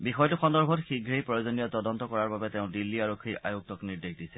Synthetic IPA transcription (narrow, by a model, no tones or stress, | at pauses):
bixɔjtʊxɔndɔɹbʱɔtxiɡʱɹejpɹɔjozonijɔtɔdɔntɔkɔɹaɹbabɛteʊ̃dilːiaɹokʰːia̰jok̚tɔkniɹdexdisɛ̥